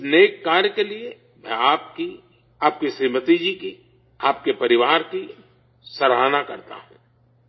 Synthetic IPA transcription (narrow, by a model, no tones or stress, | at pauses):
neːkːaːɾjəkelie | mɛ̃aːp̚ki | aːp̚kisiːmət̪id͡ʒiki | aːp̚kepɐɾɪʋaːɾki | sɐɾɦaːnakɐɾt̪a̰ɦũː